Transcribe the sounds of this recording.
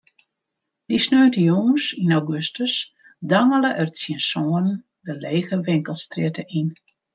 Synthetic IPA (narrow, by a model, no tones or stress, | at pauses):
d̥isnøːtəjoːsinawɡøstəs | daŋələʔərt͡siənsoənən | dəleːɣəʋɪŋkəlˠstrɪətəʔin